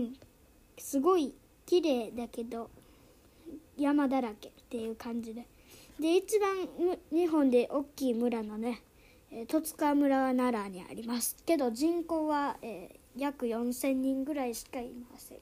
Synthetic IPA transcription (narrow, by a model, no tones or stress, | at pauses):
ɯ̃ɴ | sɨɡo̞i | kʲiɾe̞ːd̪ake̞d̪o̞ | jamad̪aɾake̞t̪ːe̞jɯ̟ːkãɲ̟d͡ʑid̪e̞ | d̪e̞it͡ɕibãŋmɲ̟iɦõ̞nd̪e̞ʔo̞kʲːiːmɯ̟ɾano̞ne̞ | t̪o̞t͡sɨ̥kamɯ̟ɾaβanaɾaɲ̟ia̰ɾʲimasɨ̥ke̞d̪o̞ʑĩŋko̞ːβaeː | jakɯ̟jõ̞ɰ̃sẽ̞ɲːĩŋɡɯ̟ɾaiɕi̥kaḭmasḛ̃